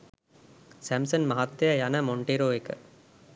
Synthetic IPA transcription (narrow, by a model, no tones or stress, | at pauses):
sæmsɐnmɐɦɐt̪ːejɐjɐnɐmoɳʈeɾoːekɐ